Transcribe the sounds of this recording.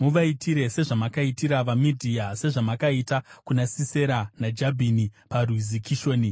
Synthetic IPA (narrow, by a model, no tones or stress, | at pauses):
muʋaitʰiɾe̞se̞ʐamakaitiɾaʋamidʱiase̞ʐamakaitakunasise̞ɾanad͡ʒabʱiniparuzikʰiʃo̞ːni